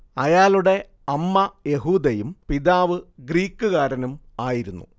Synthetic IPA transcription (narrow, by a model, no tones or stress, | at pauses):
ɐjaːluɽe̞ | ɐmːɐje̞ɦuːd̪ɐjumpiðaːʋɨɡriːkːɨkaːɾɐnum | aːjiɾunːṵ